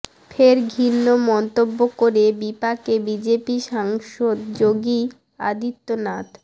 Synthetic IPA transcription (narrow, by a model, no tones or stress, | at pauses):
feɾɡʱinːomɔnt̪obːokoɾebipakebid͡ʑepiʃaŋʃod̪d͡ʑoɡi | a̰d̪it̪ːonat̪